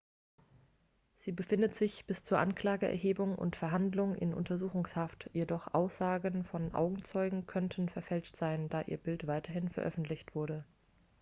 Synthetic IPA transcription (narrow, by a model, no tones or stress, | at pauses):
z̥iːbəfɪndətz̥ɪçb̥ɪst͡suːɐʔankl̥aːɡəʔɛ̰ɐɦeːbʊŋʊ̰ntfɛɐɦandlʊŋʔɪ̰nʔʊ̰ntʰɐzuːxʊŋshaftjedɔχʔa̰ʊsz̥aːɡənfɔnʔa̰ʊɡŋ̩t͡sɔʏɡŋ̩kʰœntʰn̩fɛɐfɛlt͡ʃtz̥aɪnd̥aːʔḭːɐbɪltv̥aɪtɐɦɪnfɛɐʔœfn̩tlɪçtv̥ʊɐɾə